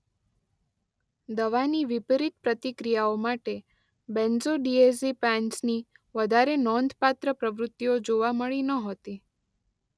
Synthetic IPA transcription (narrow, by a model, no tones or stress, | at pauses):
d̪əʋaniʋipɾit̪̚pɾət̪ikɾijaomaʈe | bɛ̃nzoɖiesipãnsni | ʋəd̪ʱaɾenɔnd̪ʱpat̪ɾəpɾəʋɾʊt̪ːiod͡ʒoʋaməɭinəɦot̪i